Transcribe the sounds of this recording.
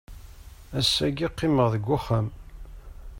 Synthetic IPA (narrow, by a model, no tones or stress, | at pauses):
æsːæɡiqːɪməʁðəɡʷːʊχæm